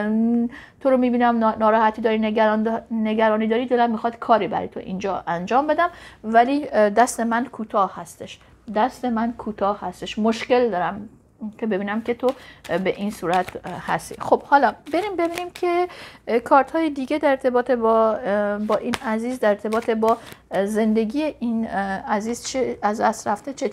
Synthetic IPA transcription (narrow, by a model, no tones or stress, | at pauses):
t̪ʰoɾomiːbiːnæmnɒːɾɒːhæt̪ʰiːd̪ɒːɾinɾnd̪neɡæɾɒːniːd̪ɒːɾid̪elæmːixɒd̪kʰɒːɾibæ̰ɾɒ̰jt̪ʰo̰ʔḭnd͡ʒɒːʔænd͡ʒɒːmbe̞d̪æmvælid̪æst̪e̞mænkʰuːt̪ʰɒːhhæst̪e̞ʃ | d̪æst̪e̞mænkʰuːt̪ʰɒːhhæst̪eʃmo̞ʃce̞ld̪ɒːɾæm | kʰe̞be̞biːnæmkʰe̞t̪ʰobeʔinsuːɾæt̪ʰhæ̰st̪ḭxob̥hɒːlɒbe̞ɾimbe̞biːniːmkʰe̞kʰɒːɾt̪hɒːjed̪iːɡed̪æɾeɾt̪ʰe̞bɒːt̪ʰeb | bɒːʔiːnæziːzd̪æɾeɾt̪ʰe̞bɒːt̪ʰebɒːze̞nd̪e̞ɡiːjeʔinæziːzt͡ʃʰeæzd̪æst̪ɾæft̪et͡ʃʰe